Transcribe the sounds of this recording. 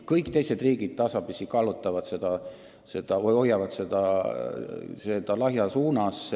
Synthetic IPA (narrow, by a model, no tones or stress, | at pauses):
kɤjkt̪e̞jse̞d̪riːɡ̥id̪̥̚t̪ɑsɑpisikɑlut̪ːˑɑvɑd̪̥se̞d̪̥ɑ | se̞d̪̥ɑɤjo̞jɑvɑd̪se̞d̪̥ɑ | se̞d̪̥ɑlɑɦjɑsuːnɑs